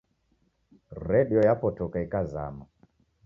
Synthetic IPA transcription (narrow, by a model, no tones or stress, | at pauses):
rɛɗiɔjapɔtɔkaikaza̰ma